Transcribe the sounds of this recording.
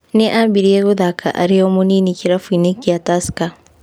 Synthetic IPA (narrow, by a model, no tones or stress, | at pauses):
neʔabiɾeɡuðakʰa̰ʔa̰ɾijomuninikiɾafunikijataska